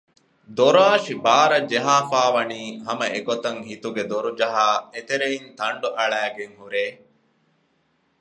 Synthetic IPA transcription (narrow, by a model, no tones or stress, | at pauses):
d̪oɾaːʃibaːɾɐd͡ʒeɦaːfaːʋɐniːɦɐmɐeɡot̪ɐŋhit̪uɡed̪oɾud͡ʒɐɦaːet̪eɾeint̪ɐɳɖuʔɐɭæːɡeŋhuɾeː